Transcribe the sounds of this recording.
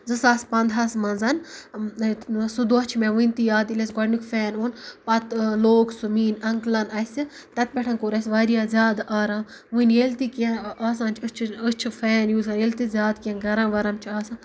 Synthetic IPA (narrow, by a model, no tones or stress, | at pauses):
zɨsaːspɐnd̪ʱaːsmɐnzɐn | sud̪uɐt͡ʃʰmẽʋɨ̃nʲt̪ijaːd̪ilʲesɡɐɖnikfɛːnoːnpɐt̪loːksumiːnɐŋklɐnɐsi | t̪ɐt̪̚bʲeʈʰɐnkoɾɐsʲʋaːɾijaːzʲjaːd̪aʔaːɾaːm | ʋɨnjelt̪ikãaːs̬ãːnt͡ʃʰɨt͡ʃʰɨt͡ʃʰifɛːnjuːzɐelʲt̪izʲjaːd̪kẽːnɡɐɾãːʋɐɾɐmt͡ʃʰiaːsãː